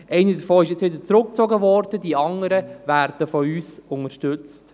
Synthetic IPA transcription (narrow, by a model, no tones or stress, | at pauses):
ʔɛɪnədəfoːɪʃjɛt͡sʋɪd̪əɾt͡sɾʊk̚t͡soɡəʋɔːɾd̥ədiɑŋəɾəvæːɾd̥əfɔyːsʊŋəɾʃtɵt͡st